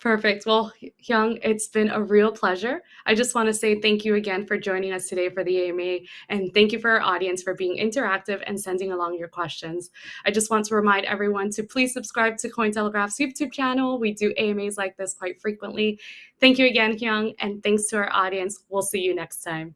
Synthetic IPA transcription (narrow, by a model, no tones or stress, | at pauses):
pʰɜ˞fɪk̚t̚wɛlˠhjʌ̃ŋɪtsb̥ɨ̃nəɹilˠpʰl̥ɛʒə˞ʔaɪd͡ʒʌst̚wɑ̃ñɨseɪθæ̃ŋkjɨɨɡɛ̃nfə˞d͡ʒɔ̃ɪ̃ñɪ̃ŋʌstʰɨdeɪfə˞ðieɪɨ̃meɪʔɨ̃nθæ̃ŋkjɨfə˞ə˞ʔɔɾiɨ̃nsfə˞biɪ̃ŋʔɪ̰̃ntə˞æk̚tɨvɨ̰̃nsɛ̃ndɪ̃ŋəlɔ̃ŋjə˞kʰw̥ɛst͡ʃɨ̃nz̥ | aɪd͡ʒʌst̚wɑ̃ntʰəɹɨmãɪ̃ndɛ̰vɹiwʌ̃ntʰɨpʰl̥iz̥sɨb̥skɹaɪb̚tʰɨkʰɔ̃ɪ̃ntʰɛlˠəɡɹæfsjʉtʰʉb̚t͡ʃʰænl̩ˠwidɨʔeɪɨ̃meɪzlaɪk̚ðɪskʰw̥aɪtfɹikwə̃nʔliθæ̃ŋkjɨɨɡɛ̃nhjʌ̃ŋʔɨ̃nθæ̃ŋkstʰɨaə˞ʔɔɾiɨ̃nswilˠsijɨnɛkstʰãɪ̃m